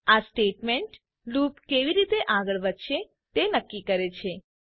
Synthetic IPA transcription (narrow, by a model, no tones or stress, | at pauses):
asʈeʈmeɳʈ | lupkeʋiɾit̪eʔaɡəɭʋəd̪ʃe | t̪enəkːikəɾet͡ʃʰe